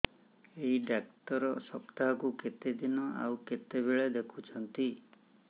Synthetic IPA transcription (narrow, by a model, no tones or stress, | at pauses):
eɦiɖak̚t̪ɔɾɔsɔpt̪aɦɔkuket̪ed̪inɔa̰wket̪ebeɭed̪ekʰut͡ʃʰɔnt̪i